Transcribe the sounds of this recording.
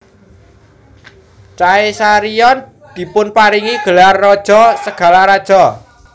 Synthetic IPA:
t͡ʃaesaɾijɔn | d̪̥i̤pʊnpaɾiŋiɡ̥ə̤larːɔd̥ʒ̥ɔ̤səɡ̥ä̤laɾad̥ʒ̥ɔ

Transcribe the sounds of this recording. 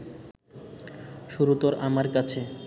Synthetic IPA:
ʃuɾut̪oɾʔamaɾkat͡ɕʰe

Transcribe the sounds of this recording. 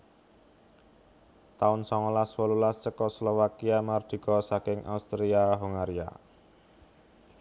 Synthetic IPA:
t̪aʊnsɔŋɔlaswɔlulast͡ʃəkɔslɔwakiamard̪̥i̤kɔsakɪŋʔa̰ust̪ɾiaɦuŋaɾia̰

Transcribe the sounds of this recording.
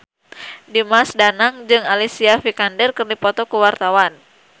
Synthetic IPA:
dimasdanaŋd͡ʒɨŋalisiafikandɛrkɨrdipɔt̪ɔkuwart̪awan

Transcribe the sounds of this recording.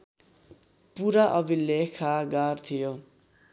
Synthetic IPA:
puɾaʔʌbilekʰaɡart̪ʰijo

